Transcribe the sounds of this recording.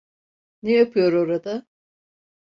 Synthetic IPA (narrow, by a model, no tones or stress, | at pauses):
nejapʰɯjo̞ɾo̞ɾad̪a